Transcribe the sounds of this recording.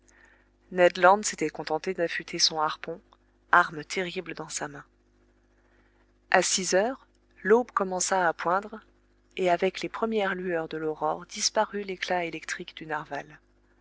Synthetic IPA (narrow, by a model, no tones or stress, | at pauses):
nɛd̪lɑ̃d̪set̪ɛkɔ̃t̪ɑ̃t̪ed̪ãfyt̪ʰesɔ̃aʁpɔ̃ | aʁmt̪ʰeʁibləd̪ɑ̃samɛ̃ | asizœʁ | lobkɔmɑ̃saːpwɛ̃d̪ʁ | eavɛklepχəmjɛʁlyœʁd̪əlɔʁɔʁd̪ispaʁyleklaelɛkt̪χikd̪ynaʁval